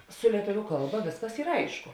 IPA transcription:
sʊ lʲiɛˈtʊʋʲʊ ˈkɐlˠˌbɐ ˈʋʲeːsˌkɐs ˈiːr ˈɐɪʃkʊ

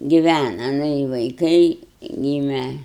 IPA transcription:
ɡʲɪˈʋʲænɐ ˈnʊ ɪ ʋɐɪˈkɐɪ ˈɡʲiːmʲɛ

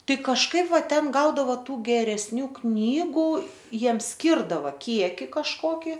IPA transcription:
ˈtɐɪ kɐʃˈkɐɪp ˈʋɐ ˈtʲɛn ˈɡɐʊdɐʋoː ˈtuː ɡʲɛrʲɛsʲˈnʲuː ˈknʲiːɡʊ ˈjiɛms ˈsʲkʲɪrdɐʋɐ ˈkʲiɛkʲɪ kɐʃˈkoːkʲɪ

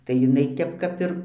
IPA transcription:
tɐɪ jɪˈnɐɪ ˈtʲɛp ˈkɐp ɪr

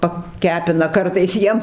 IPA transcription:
pɐˈkʲæːpʲɪnɐ ˈkɐrtɐɪs ˈjiɛm

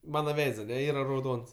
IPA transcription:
ˈmɑːnɐ ˈʋʲɛɪts ɐˈnʲɛ ˈiːrɐ rɐʊˈdoːns

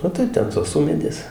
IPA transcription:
oː ˈtɐɪp ˈtʲɛn toːs ˈʊmʲeːdʲeːs

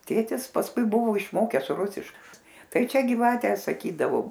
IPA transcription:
ˈtʲeːtʲɪs pɐsˈkʊɪ ˈbʊʋoː ɪʃˈmoːkʲɛs ˈrʊsʲɪʃk ˈtɐɪ ˈt͡ʃʲɛ ɡʲɪˈʋɑːtʲɛ sɐˈkʲiːdɐʋoː

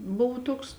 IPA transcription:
ˈbʊw ˈtuɔks

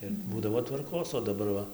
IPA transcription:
ɪr ˈbuːdɐʋoː tʋɐrˈkoːs oː dɐˈbɐr ˈʋɐ

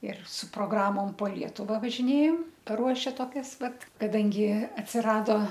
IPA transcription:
ɪr sʊ proːˈɡrɑːmoːm poː ˈlʲiɛtʊʋɐ ʋɐʒʲɪˈnʲeːjoːm pɐˈruɔʃʲɛ toːˈkʲɛs ˈʋɐt kɐˈdɐŋʲɡʲɪ ɐtʲsʲɪˈrɑːdoː

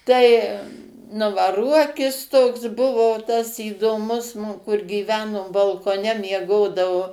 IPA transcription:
ˈtɐɪ ˈnʊ ʋɐ ˈruɔkʲɪs toːks ˈbʊʋoː tɐs iːdoːˈmʊs ˈnʊ kʊr ɡʲiːˈʋʲæːnoː bɐlˠkoːˈnʲɛ mʲiɛˈɡoːdɐʋʊ

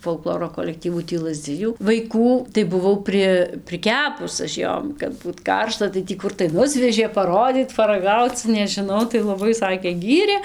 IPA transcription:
foːlˠˈklˠoːroː koːlʲɛkˈtʲiːʋʊ tʲiː ˈlˠɑːzʲˈd͡zʲɪjuː ʋɐɪˈkuː tɐɪ bʊˈʋɐʊ ˈpʲrʲɪ pʲrʲɪˈkʲæːpʊs ɐʃ ˈjoːm kɐt ˈbuːt ˈkɐrʃtɐ tɐɪ ˈtʲiː ˈkʊr tɐɪ ˈnʊsʲʋʲɛʒʲeː pɐˈroːdʲiːt pɐrɐˈɡɐʊt͡s nʲɛʒʲɪˈnɐʊ tɐɪ lˠɐˈbɐɪ ˈsɑːkʲeː ˈɡʲiːrʲeː

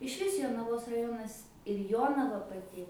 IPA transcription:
ɪʃʲˈʋʲɪs joːnɐˈʋoːs rɐˈjoːnɐs ɪr ˈjoːnɐʋɐ pɐˈtʲɪ

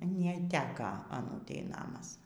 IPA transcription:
nʲɛˈtʲæːkɐ ɐˈnuːtʲɛɪ ˈnɑːmɐs

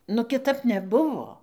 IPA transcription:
nʊ kʲɪˈtɐp nʲɛˈbʊʋoː

